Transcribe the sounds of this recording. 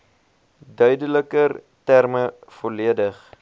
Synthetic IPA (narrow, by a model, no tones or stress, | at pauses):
dœɥdələkər | tærməfɔliədəχ